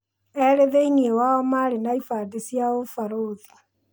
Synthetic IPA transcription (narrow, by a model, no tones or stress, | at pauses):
ɛɾeðeiniewaɔmaɾenaifadesjaofaɾoði